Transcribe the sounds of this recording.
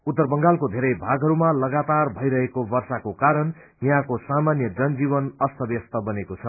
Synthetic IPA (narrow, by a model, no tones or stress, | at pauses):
ut̪ːʌrbʌŋɡalkod̪ʱeɾʌjbʱaɡʱɦʌɾumalʌɡat̪arbʱʌjɾʌɦekobʌrsakokaɾʌn | jãkosamanjʌd͡zʌnd͡zibʌnʌst̪ʰʌbjʌst̪ʌbʌnekot͡sʰʌ